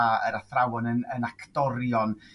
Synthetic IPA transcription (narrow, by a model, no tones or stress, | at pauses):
aə̰ɾaθrawɔnənənakʰd̥ɔɾjɔn